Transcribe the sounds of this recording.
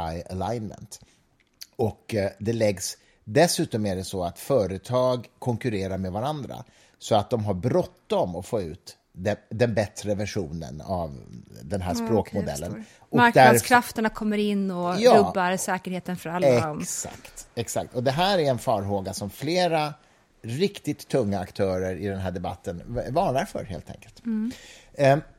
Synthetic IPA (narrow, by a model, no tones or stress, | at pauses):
aja̰laɪnmə̰nt̪ | ɔkd̪ɛlɛɡs | d̪ɛsʉ̟ːt̪ɔmæɖɛsɔat̪fœːɾət̪ʰɑːɡkʰɔŋkɵɾeːɾaɾmɛd̪vaɾand̪ɾa̰ | sɔat̪̚d̪ɔmɦaɾbɾɔt̪ːɔmɔfoːʉ̟ːt̪ | d̪ɛd̪ɛnbɛt̪ɾəvæʂuːnə̰na̰vd̪ɛnɦæːʂspɾoːkmʊd̪ɛ̰lːə̰n | ʔɔmaɾkd̪æaɾskʰɾaft̪əɳakʰɔmːəɾɪnːɔjɑɾɵbːaɾsɛːkəɾheːt̪ənfœɾalːɛsa̰kt̪ɛksa̰k̚t̪ɔd̪ɛɦæːɾæɾɛnfɑːɾɦoːɡasɔmfleːɾa | ɾɪkt̪ɪt̪ʰːɵŋːaːkt̪ʰœːɾəɾɪd̪ɛnɦæːɖɛba̰t̪ʰːənvɑːɳaɾfœ̰ɾɦḛːlt̪ʰɛ̰ŋkəlt̪